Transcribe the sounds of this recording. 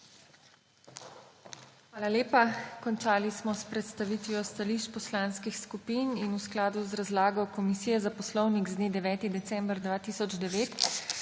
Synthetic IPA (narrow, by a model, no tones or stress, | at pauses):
xʋaːlaleːpakɔnt͡ʃaːlismɔspɾɛt̪st̪aʋiːt̪ʋiɔst̪aliʃt͡ʃpɔslaːnskixskupiːninusklaːd̪uzɾazlaːɡɔkɔmisiːjɛzapɔslɔwniɡzd̪neːd̪ɛʋɛːt̪id̪ɛt̪sɛ̃mbɾd̪ʋaːt̪isɔd͡ʒd̪ɛʋeːt̪